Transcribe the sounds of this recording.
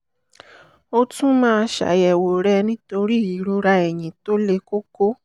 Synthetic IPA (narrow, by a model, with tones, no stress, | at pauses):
o˧tũ˦mãː˦˧ʃa̰˨˦jɛ˨wo˨ɾɛ˧nĩ˦to˧ɾi˦˨i˨˦ɾu˧ɾa˧ɛ˨j̃ĩ˨to˦le˧ko˦ko˦